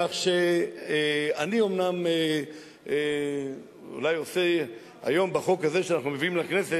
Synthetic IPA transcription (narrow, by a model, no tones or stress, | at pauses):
aχʃe | anio̞mname | ṵlajose̞ | ha̰jo̞mbaχo̞khaze̞ʃeanaχnumeviimlakne̞se